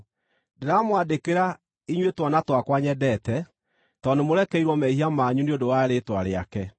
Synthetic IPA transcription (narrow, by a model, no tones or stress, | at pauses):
deɾamwadekeɾa | iɲwetwanatwakwaɲɛdɛtɛ | tɔnemoɾɛkɛiɾwɔmɛiɦiamaːɲuneodowaɾetwaɾea̰kɛ